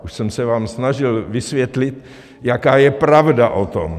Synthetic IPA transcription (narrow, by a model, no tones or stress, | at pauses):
ʔuʃsɛmsɛvaːmsnaʒɪlvɪsvjɛt̪lɪt̪ | jakaːjɛpɾavdaʔot̪o̞̰m